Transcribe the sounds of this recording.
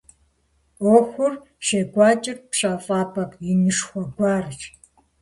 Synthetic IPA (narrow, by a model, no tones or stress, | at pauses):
oːxʷʊr | ʃeːɡʷɑːt͡ʃʼɪrpɕaːfʼaːpʰʼɐkjɪnɨʂxʷɔɡʷɑːrɨt͡ʃ